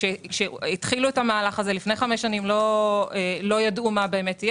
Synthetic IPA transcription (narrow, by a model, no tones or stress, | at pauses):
ʃeʃeitχiluetamaːlaχazelifne̞jχameʃːanimlo̞elo̞jadʔumabe̞ːmetij